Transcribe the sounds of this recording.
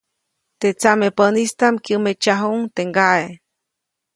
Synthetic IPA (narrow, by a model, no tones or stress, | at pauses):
t̪et͡samepənist̪amkjəmet͡ʃaɦuŋt̪eŋɡae